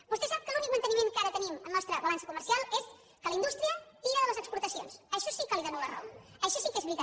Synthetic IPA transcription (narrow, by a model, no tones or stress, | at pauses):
bust̪esap̚kəlunik̚mənt̪ənimenkaɾət̪əniməmnɔst̪ɾəβəlansəkuməɾsialˠes | kələind̪ust̪ɾiət̪iɾəðələzəkspuɾt̪əsio̰nsəʃɔsikaliðənuðərɔ̰wəʃɔsikezβɾit̪a